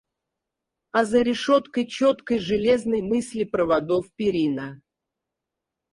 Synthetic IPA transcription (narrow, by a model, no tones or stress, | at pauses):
ɐzəɾʲɪʂot̪kəjt͡ɕot̪kəjʐɨlʲeznəjmɨsʲlʲɪpɾəvɐd̪ofpʲɪɾʲinə